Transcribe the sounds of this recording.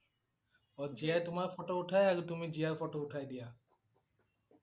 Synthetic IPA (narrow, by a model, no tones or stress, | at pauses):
ɔd͡ʒiajt̪umaɾfɔʈouʈʰajaɾut̪̬umid͡ʑijaɾfɔʈouʈʰajd̪ija